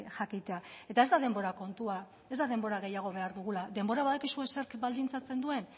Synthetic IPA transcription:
ʝakit̪e̞ae̞t̪ae̞zd̪að̞e̞mbo̞ɾako̞nt̪ua | e̞zd̪að̞e̞mbo̞ɾaɣ̞e̞jaɣ̞o̞β̞e̞aɾðuɣ̞ulad̪e̞mbo̞ɾaβaðakisue̞seɾkbald̪int͡sat͡se̞nd̪ue̞n

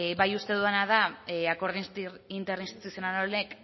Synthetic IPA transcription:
βajust̪e̞ðuanað̞aako̞ɾðint̪ɾint̪eɾinst̪i̥t̪usijonanolek

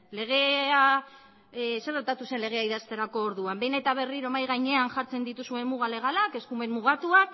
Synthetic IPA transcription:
le̞ɣ̞e̞a | seret̪at̪use̞nleɣ̞e̞aiðast̪e̞ɾako̞ːɾðuambe̞jne̞t̪aβ̞e̞riɾo̞majɣajɲe̞anʝaɾt͡se̞nd̪it̪usue̞mmuɣ̞ale̞ɣ̞alake̞skume̞mmːuɣ̞at̪ua

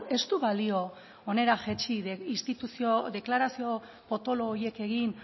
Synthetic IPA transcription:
e̞st̪uβalio̞ | one̞ɾaʝet͡ʃiist̪it̪usioðe̞klaɾasio̞ | po̞t̪o̞loɣoje̞ke̞ɣin

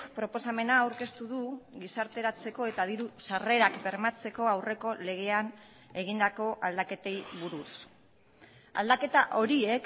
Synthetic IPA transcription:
pɾo̞po̞same̞naːwɾke̞st̪uðuɣisaɾt̪e̞ɾat͡se̞ko̞e̞t̪aðiɾusare̞ɾakbe̞ɾmat͡se̞ko̞awre̞ko̞le̞ɣ̞e̞an | e̞ɣ̞ind̪ako̞ʔald̪ake̞t̪e̞jβuɾus | a̰ld̪ake̞t̪aʔo̞ɾie̞k

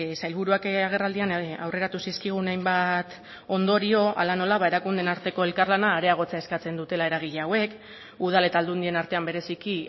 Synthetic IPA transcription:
sajlβuɾuakaɣ̞e̞rald̪ianawre̞ɾat̪usiskiɣ̞unajmbat̪ | o̞nd̪o̞ɾio̞ʔalano̞laβae̞ɾakund̪e̞naɾt̪e̞ko̞e̞lkarlanaːɾe̞aɣ̞o̞t͡seaeskat͡se̞nd̪ut̪e̞lae̞ɾaɣ̞iʎeawe̞k | uð̞ale̞t̪ald̪und̪ie̞naɾt̪e̞ambe̞ɾe̞siki

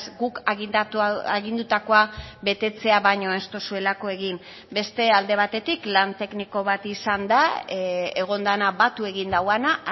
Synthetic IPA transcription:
sɡukɣiaɣind̪ut̪ako̞aβe̞t̪e̞t͡se̞aβajɲo̞est̪o̞sue̞lako̞e̞ɣim | be̞st̪e̞ald̪e̞β̞at̪e̞t̪iklant̪e̞kniko̞βat̪isand̪a | eɣ̞o̞nd̪anaβat̪ue̞ɣind̪awana

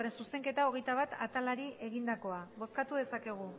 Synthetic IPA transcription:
rensuse̞ŋke̞t̪ao̞ɣ̞e̞jt̪aβat̪at̪alaɾie̞ɣind̪ako̞aβo̞skat̪uðe̞sake̞ɣ̞u

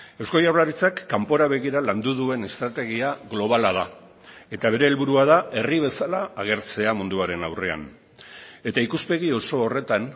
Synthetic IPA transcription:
ewskojawlaɾit͡sakːampo̞ɾaβe̞ɣiɾaland̪uðue̞ne̞st̪ɾat̪e̞ɣ̞iaɣlo̞β̞alaða | e̞t̪aβ̞e̞ɾe̞ːlβuɾuað̞ae̞riβ̞e̞salaːɣ̞e̞ɾt͡se̞amund̪uaɾe̞nawre̞a̰n | e̞t̪aikuspe̞ɣio̞so̞ːre̞t̪an

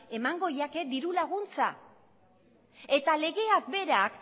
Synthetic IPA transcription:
e̞maŋɡo̞jake̞d̪iɾulaɣ̞unt͡sa̰ | e̞t̪ale̞ɣe̞akbe̞ɾak

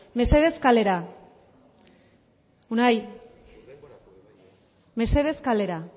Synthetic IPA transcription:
me̞se̞ðe̞skale̞ɾa | unaj | me̞se̞ðe̞skale̞ɾa

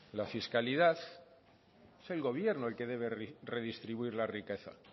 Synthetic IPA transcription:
lafiskalið̞aθ | e̥selɣo̞β̞je̞ɾnoelke̞ð̞e̞β̞e̞rre̞ð̞ist̪ɾiβuiɾlarike̞θa̰

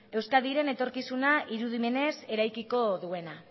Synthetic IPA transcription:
e̞wskaðiɾe̞ne̞t̪o̞ɾkisunaʔiɾuðime̞ne̞se̞ɾajkiko̞ðue̞na

